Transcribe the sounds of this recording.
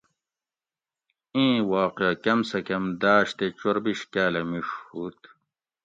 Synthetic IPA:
ĩːwaːqɐkɐmsɐkɐmd̪aːɕt̪et͡ɕoɾbiɕkæːlɐmiʂhuːt̪

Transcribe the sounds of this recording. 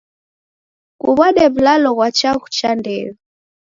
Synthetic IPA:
kuβaɗɛβlalɔɣwat͡ʃaɣut͡ʃandɛlɔ

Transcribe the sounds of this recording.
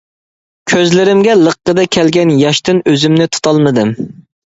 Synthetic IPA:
kʲʰøzlɪɾɪmɡʲɛlˠəqːəd̪ɛkʲʰɛlɡʲɛnjɑʃt̪ɨnøzymnɪt̪ʰu̥t̪ʰɑlˠmɨd̪ɨm

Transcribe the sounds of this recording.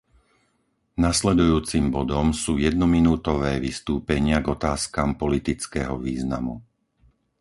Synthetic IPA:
naslɛd̪ujuːt͡simbɔd̪ɔmsuːjɛd̪nɔminuːt̪ɔʋɛːʋist̪uːpɛɲɪaɡɔt̪aːskaːmpɔlit̪it͡skɛːɦɔʋiːzna̰mu

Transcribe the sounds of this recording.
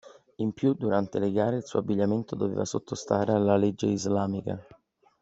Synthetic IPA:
impjud̪uɾant̪eleɡaːɾeilsuːabːiʎːament̪od̪ovḛːvasot̪ʰːost̪aːɾealaled͡ʒːeizlaːmika̰

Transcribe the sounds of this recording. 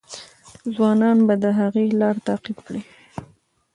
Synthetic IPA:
zwɑnɑnbad̪əɦaɣelɑɾt̪aqibkɽi

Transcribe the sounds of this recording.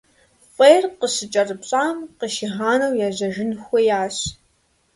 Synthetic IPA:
χʷʼeːrqəɕɨt͡ʃʼɐrɨpɕʼaːmqəʃiɦaːnɐwjaːʑɐʒɪnxʷɔjaːɕ

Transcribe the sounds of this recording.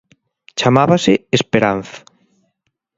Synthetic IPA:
t͡ʃamaβaseespeɾan̟θḁ

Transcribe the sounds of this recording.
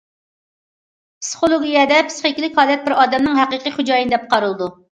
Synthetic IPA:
pʰsɨ̥χolˠoɡʲijɛd̪ɛpʰsχokʲilɪkʲhɑːlɛt̪̚bɪɾɑːd̪ɛmnɨŋɦæqɨqɨχud͡ʒɑːjinɨd̪ɛp̚qʰɑɾɨlˠɨd̪u

